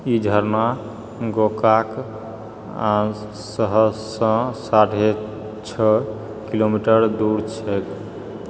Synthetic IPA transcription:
id͡ʒʱəɾna | ɡokak | ã | səɦəsə̃saʈʰe | t͡ʃʰə | kilomiʈəɾd̪uɾt͡ʃʰɛk̪

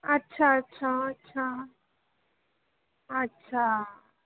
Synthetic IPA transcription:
ɐtːʃʰaətːɕʰaɐtːɕʰa | ətːɕʰa

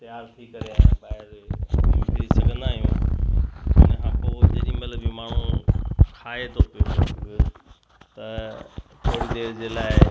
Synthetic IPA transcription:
t̪jaːɾt̪ʰikɐɾeãːɓaːɦɪɾ | t̪isɐɡʱə̃nd̪aːɦijṵ̃ | ɪ̰nɛɦãpod͡ʑeɗĩmɐt̪ləbĩmaːɳ̤ũkʰaːet̪ʰopijo | t̪ɐ | poːɽid̪eːɾd͡ʑeːlaːɪ

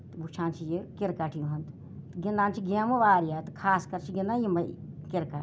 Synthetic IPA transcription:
t̪but͡ʃʰãːnt͡ʃʰijekiɾkaʈʰiɦɐnt̪ | t̪ɡind̪aːnt͡ʃʰiɡiamɐʋaːɾijat̪kʰaːskɐɾt͡ʃʰiɡinajimɐkiɾka

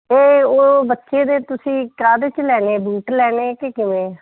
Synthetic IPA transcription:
eːoːbətːʃeːd̪eːt̪ʊsĩːkaːd̪t͡ʃlɛːneːbuːʈlɛːneːkekɪʋẽː

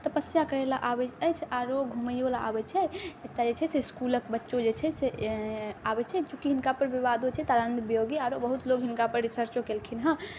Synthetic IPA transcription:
t̪əpəsjakəɾɛlaʔabɛəjt͡ʃʰaɾoɡʱuməjolaa̰bɛt͡ʃʰɛet̪ad͡ʒet͡ʃʰɛseskuləkbətːʃod͡ʒet͡ʃʰɛse | abɛt͡ʃʰɛd͡ʒũkiɦinkapəɾʋiβad̪ot͡ʃʰɛt̪aɾənd̪bjoɡiaɾobəɦut̪loɡɦinkapəɾːisəɾt͡ʃokelkʰinɦə̃

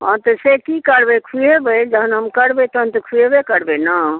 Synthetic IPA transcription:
ɦãt̪ɔsekikəɽbekʰujebəjd͡ʒəɦənɦəmkəɽbet̪əɦənt̪ɔkʰujebekəɽbena

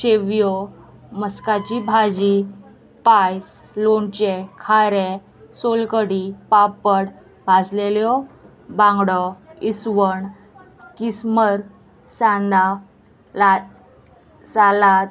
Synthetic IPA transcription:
ɕeʋjɔ | məskat͡ɕibʱad͡ʑi | pajs | lont͡ɕekʰaɾe | solkəɽipapːəɽ | bʱad͡zleljɔ | bãŋɡɽɔisʋəɳ | kisməɾ | sãnd̪a | la | salat̪

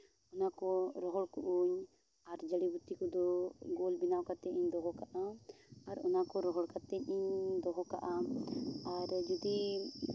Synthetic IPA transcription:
ɔnakɔɾɔɦɔɽkuʔuɲ | aɾd͡ʒəɽibut̪ːikɔd̪ɔɡɔlbinawkat̪ɛiɲd̪ɔɦɔkaʔãaɾɔnakɔɾɔɦɔɽkat̪ɛɲiɲd̪ɔɦɔka̰ʔa | aɾd͡ʒid̪i

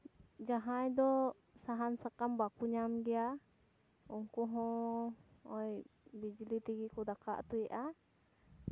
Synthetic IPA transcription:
d͡ʒaɦajd̪ɔ | saɦansakambakuɲamɡia | uŋkuɦɔ | ɔjbid͡ʒlit̪iɡikud̪aka̰ʔt̪uiʔa

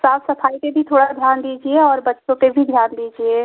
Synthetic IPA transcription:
saːpʰsəpʰaːit̪ebʱit̪ʰoːɽad̪ʱjaːnd̪iːd͡ʒieɔːɾbətːʃõt̪ebʱid̪ʱjaːnd̪id͡ʒie

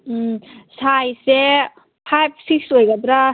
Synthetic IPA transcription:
sajse | pʰajp̚ʰsiksojɡad̪ɾa

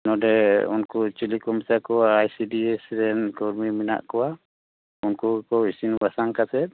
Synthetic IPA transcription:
nɔdɛunkut͡ʃilikɔmsakɔaːjsidiɛsɾɛnkɔɾmimina̰ʔkɔwa | unkukɔisinbasaŋkasɛt̪̚

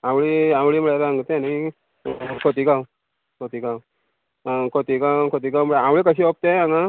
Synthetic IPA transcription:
ãwɭiãwɭiməɭeɾãŋɡt̪ẽnai | kʰot̪ikaw | kʰot̪iːkaw | kʰot̪iːkakʰot̪iːɡawməɭeawɭekəɕiːʋop̚t̪eaŋa

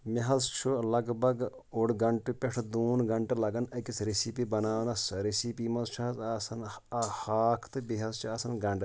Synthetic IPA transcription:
miɦɐzt͡ʃʰulɐɡbʱɐɡ | uɽɡɐɳʈupʲeʈʰd̪uːnɡɐɳʈelɐɡɐnɐkisɾesipibɐnaːʋnɐsɾesipimɐnt͡ʃʰɐɦɐzasɐnhaːkʰt̪ɨbiɦɐzt͡ʃʰuɐsɐnɡɐɳɖ

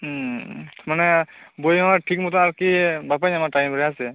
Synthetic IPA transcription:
manɛbojɔ̃aʈʰikmut̪aaɾkibap̬aɲamaʈajmɾɛɦasɛ

